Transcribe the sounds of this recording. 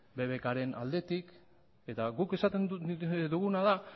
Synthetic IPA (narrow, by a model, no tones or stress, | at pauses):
be̞βekaɾe̞na̰ld̪e̞t̪ik | e̞t̪aɣuke̞sat̪e̞nd̪uɣ̞unað̞a